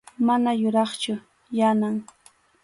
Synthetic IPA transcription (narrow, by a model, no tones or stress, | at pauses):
manajʊɾɑχt͡ʃʊ | janaŋ